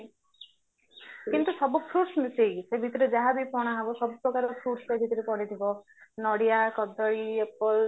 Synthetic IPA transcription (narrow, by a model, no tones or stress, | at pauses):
kint̪usɔbɔpʰɾuɾsmiseɡsebʱit̪ɔɾed͡ʒaɦabipɔɽ̃aɦabɔsɔbɔpɾɔkaɾɔpʰɾuɾsebʱit̪ɔɾepɔɽit̪ʰibɔ | nɔɽijakɔd̪ɔɭiepɔl